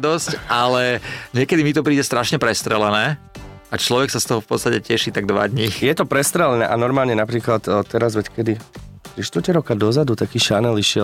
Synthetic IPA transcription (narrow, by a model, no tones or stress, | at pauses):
d̪ɔscʔalɛɲɪɛkɛd̪imit̪ɔpɾiːɟɛst̪ɾaʃɲɛpɾɛst̪ɾɛlɛnɛː | at͡ʃlɔʋɛksast̪ɔɦɔfpɔt̪t͡sst̪acɛcɛʃit̪aɡ̚d̪ʋa̰d̪ɲijɛt̪ɔpɾɛst̪ɾɛlɛnɛːʔanɔɾmaːlɲɛnapɾiːklat̪ːɛɾazʋɛckɛd̪it̪ɾiʃt̪ʋɔɾcɛɾɔkad̪ɔzad̪ut̪akiːʃanɛliʃɪɛ